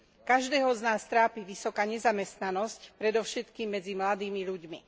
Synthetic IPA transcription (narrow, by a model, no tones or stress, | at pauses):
kaʒd̪ɛːɦɔznaːst̪ɾaːpiʋisɔkaːɲɛzamɛst̪nanɔscpɾɛd̪ɔʊʃɛt̪kiːmːɛd͡zimlad̪iːmiʎuɟmi